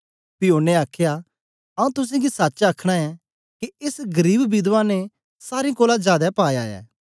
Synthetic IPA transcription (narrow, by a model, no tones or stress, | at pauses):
pɪjoːneaːkʰja | ɐũt̪ʊs̬ẽɡisatːt͡ʃaːkʰɽ̃aɛ | kiɪsɡɐɾiːbbɪd̪ʋãne | saːɾĩkoːlad͡ʒaːd̪ɛpaːjaːɛ̰ː